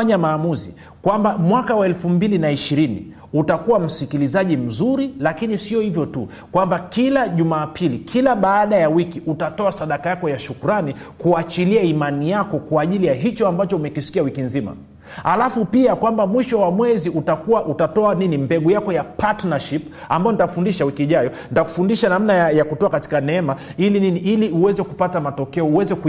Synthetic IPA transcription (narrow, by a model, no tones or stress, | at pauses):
aɲamaːmuzḭ | kwambamwakawaɛlfumbilinaiʃiɾinḭ | utakuwam̩sikilizaʄim̩zuɾilakinisiɔhivjɔtṵ | kwambakilaʄumaːpʰilikʰilaɓaːɗajawikiʔutatɔasaɗakajakɔjaʃukuɾani | kuat͡ʃiliaimanijakɔkwaːʄilijaɦit͡ʃɔambat͡ʃɔumɛkisi̥kiawikinzima̰ | halafupiakwambamwiʃɔwamwɛziutkuaʔutatɔaninimbɛɠujakɔjapatnaʃip | a̰mbajɔnitaufundiʃawikiːʄajɔ | nitaku̥fundiʃanamnaajakutɔakati̥kanɛɛmailininiʔiliuwɛzɛkupatamatɔkɛɔuwɛzɛk